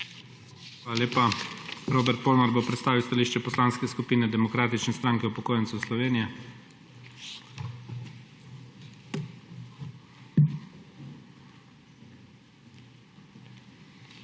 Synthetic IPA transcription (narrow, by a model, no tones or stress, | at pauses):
xʋaːlaleːpaɾoːbɛɾt̪̚poːlnɔɾbopɾɛt̪st̪aːʋiwst̪aliːʃt͡ʃɛpɔslaːnskɛskupiːnɛd̪ɛmɔkɾaːt̪it͡ʃnɛst̪ɾaŋkɛupɔkoːjɛnt̪suslɔʋeːnijɛ